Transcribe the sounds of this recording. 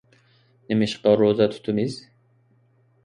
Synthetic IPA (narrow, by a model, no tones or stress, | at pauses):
nemiʃqɑɾozat̪ʰu̥t̪ʰumiz̥